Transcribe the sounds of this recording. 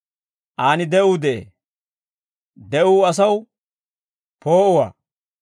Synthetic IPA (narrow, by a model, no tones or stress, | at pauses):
ʔaːnɪd̪ɛʔʊd̪ɛʔḛ | d̪ɛʔʊːɐs̬ɐw | poːʔʊwa̰ː